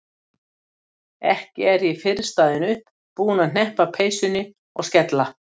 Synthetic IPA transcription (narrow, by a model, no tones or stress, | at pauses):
ɛ̰hcɪɛɾɛfɪɾɪ̥st̪aːðɪnʏhp | puːnan̥ɛhpapʰeːjsʏnːɪ | ɔɣscɛt̪la